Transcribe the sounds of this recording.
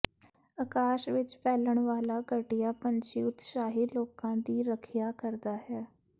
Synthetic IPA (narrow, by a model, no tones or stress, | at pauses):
əkaːʃʋɪt͡ʃpɛːləɳ̃ʋaːlaːɡəʈɪjaːpəɲt͡ʃḭːʊt̪ʃaːɦiːloːkãːd̪iːɾəkʰɪjaːkəɾd̪aːɦɛː